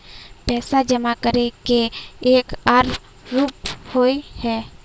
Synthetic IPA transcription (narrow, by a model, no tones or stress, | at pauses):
pɛːsad͡ʒəmakəɾekeeːkaɾ | ɾuːphoihɛː